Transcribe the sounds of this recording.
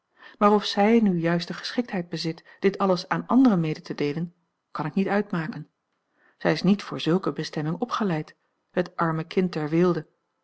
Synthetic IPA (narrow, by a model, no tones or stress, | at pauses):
maːrɔfsɛjnyjœɥstəχə̥sχɪk̚tɦɛjd̚bəzɪt | d̥ɪtɑləsaːnɑ̰ndərəmejdətədejlən | kɑnɪknitœɥtmaːkən | z̥ɛjɪsnitfʊ̰ːɹzɵlˠkəbəstɛmɪŋɔpχəlɛjt | hətʔɑɹməkʰɪntːɛɹʋɪlˠdə